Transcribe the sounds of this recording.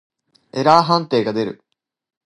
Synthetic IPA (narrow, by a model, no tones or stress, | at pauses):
e̞ɾaːɦãnt̪e̞ːɡad̪e̞ɾɯ̟̰